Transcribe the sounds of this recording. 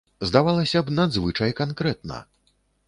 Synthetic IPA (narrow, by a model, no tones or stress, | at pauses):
zd̪avalˠɐsʲɐbnad̪zvɨt͡ʂɐjkankɾɛt̪nɐ̰